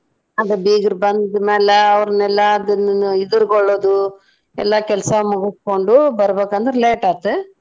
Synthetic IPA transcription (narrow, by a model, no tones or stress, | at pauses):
ɐnd̪ɐbiːɡɐɾbɐnd̪ɐd̪ɯmeːlɐɐʋɐɾɐnɛlːaːd̪ɐnːɪd̪ɯɾkɔɭːoːd̪u | ɛ̰lːaːkɛlɐsɐmuɡuskoɳɖubɐɾɐbeːkːɐnd̪ɐɾɪleːʈaːt̪ːɯ